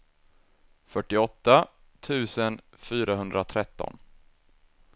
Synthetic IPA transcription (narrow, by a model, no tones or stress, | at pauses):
fœʈːɪɔt̪ːa | t̪ʰʉ̟ːsən | fyːɾaɦɵnd̪ɾat̪ʰɾɛt̪ːɔ̰n